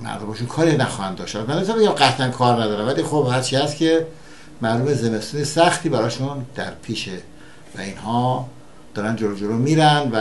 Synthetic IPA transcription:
mæ̰ɾd̪omɒʃunkʰɒːɾinæxɒhænd̪ɒːʃt̪æt̪mænːesænmbeɟæmɢæt̪ʰænkʰɒːɾnæd̪ɒːɾænvæliːxobhæɾt͡ʃʰiːæst̪cʲʰe | mæɾd̪omezenest̪iːnesæxt̪ʰiːbæɾɒːʃund̪̥æ̰ɾpʰiːʃe | væ̰inhɒː | d̪̥ɒːɾænd͡ʒolod͡ʒolomiːɾænvæ

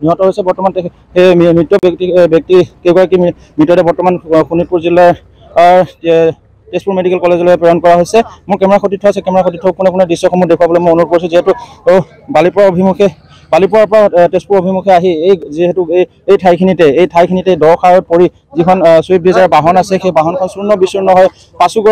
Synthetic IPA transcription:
niɦɔtɔɦojsɛbɔɹtɔmantɛ | emitːɔbktibjɔk̚tikeɡaɹaki | mitɔɾɛbɔɹtɔmanxunipuɹzila | ɹ | tespuɹmedikɛlkɔlezɔlɔɛpɛɹɔnkɔɹaɦojsɛmʊɹkɛmɛɹaxotitʰːɔasɛkɛmɛɹaxotitʰːɔkunɛkʊnɛdisːɔkʰɔmɔdekʰuwabɔlɛmojonupɔɹisũziɦetu | balipɔɹaobʱimukʰɛ | balip̬ɔɹaɹpɔɹatespuɹobʱimukʰɛaɦiejziɦɛtu | ejtʰajkʰinitɛejtʰajkʰinitɛdɔɹxʰaɹɔt̚poɹi | zikʰɔnsɔbʱizaɹabaɦɔnasɛxejbaɦɔnkʰɔnsuɹnɔbisuɹnɔɦɔj | pasukɔ

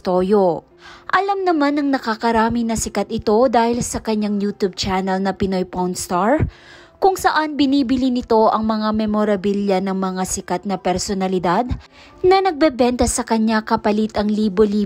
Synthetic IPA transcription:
t̪ojo | ʔɐlamnɐmanɐŋnɐkakɐɾaːmɪnɐsɪkat̪ɪt̪o̞d̪aːhɪlsɐkɐɲːaŋjuːt̪ub̚t͡ʃanɐlnɐpɪno̞jpownst̪aɹ | kʊŋsɐʔanbɪniːbɪlinɪt̪o̞ʔɐŋmɐŋamɛmoɾɐbiljɐnɐŋmɐŋasɪkat̪̚nɐpɛɾsonɐlɪd̪ad̪̚ | nɐnɐɡ̚bɛbɛnt̪ɐsɐkɐɲːakɐpɐlit̪ɐŋliːboliː

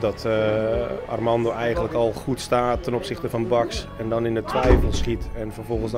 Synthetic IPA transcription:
dɔtʰ | a̰rmɑndoɛjɣənləkɔlˠχutstaːtʰːɛnopsɪxtəfɔnbɑksɛndɔnɪndətʰʋɛjfəlˠsχitɛnfərfolˠχən̩sd

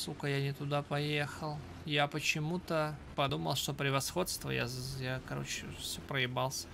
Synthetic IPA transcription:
sukəjanʲɪt̪ʊd̪apɐjexəlˠ | japət͡ɕɪmut̪əpɐd̪uməlˠʂt̪o̞pɾʲɪvɐsxo̞t̪st̪və̰ja̰zjakɐɾo̞̰t͡ɕɪfsʲopɾəɪbalˠsʲə

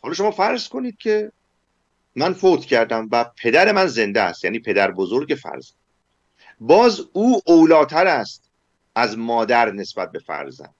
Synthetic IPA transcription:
hɒːlɒːʃo̞mɒːfæɾzko̞niːd̪̥̚cʰe̞ | mænfot̪ʰcʰæɾd̪æmvæpʰe̞d̪æɾe̞mænze̞nd̪eæ̰st̪jæːniːpʰe̞d̪æɾbozoɾɟe̞fæ̰ɾz̥ænd̪ | bɒːzuːʔowlɒːt̪ʰæɾæst̪ | æzmɒːd̪æɾne̞sbæt̪̚be̞fæ̰ɾzæ̰nd̪̥

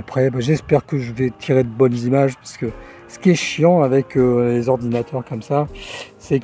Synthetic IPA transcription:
apχɛbaʒɛspɛʁkəʒəvɛt̪ʰiʁed̪əbɔnzimaʒpaʁsə̥kə | sə̥kʲiɛʃjɑ̃avɛkølezɔʁd̪inat̪ʰœʁkɔmsasɛk

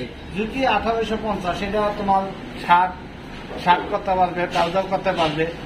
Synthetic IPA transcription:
d͡ʑukiat̪ʰabeʃopɔnt͡ɕaʃeʈaat̪omaɾ | ʃʰa | ʃʰaʈkoɾt̪ːepaɾbepɾad͡ʑalkoɾt̪epaɾbe

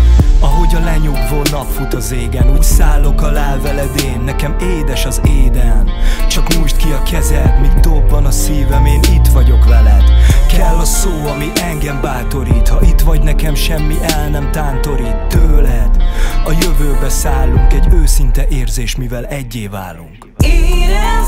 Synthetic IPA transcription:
ɒɦo̞ɟɒlɛɲuɡvoːnɒpfut̪ɒzeːɡɛnuːcsaːlːo̞kɒlaːlvɛlɛd̪eːnːɛkɛmeːd̪ɛʃɒzeːd̪ɛlnt͡ʃɒkmuʃt̪kiɒkʰɛzɛt̪miɡd̪obːɒnɒsiːvɛmeːnit̪ʋɒɟo̞kʋɛlɛd̪̥kʰɛlːɒsoːɒmiʔɛŋɡɛmbaːt̪o̞ɾiːt̪hɒʔit̪ʋɒɟnɛkɛmʃɛmːiʔɛlnɛmt̪aːnt̪o̞ɾiːt̪ːøːlɛd̪ɒjøvøːbɛsaːlːuŋkɛɟøːsint̪ɛʔeːrzeːʃmivɛlɛɟːeːva̰ːlːuŋk

